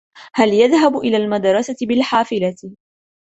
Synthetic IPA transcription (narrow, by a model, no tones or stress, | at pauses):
haljaðɦabʔɪlaːlmad̪ɾˤɑsat̪ɪbɪlħaːfɪla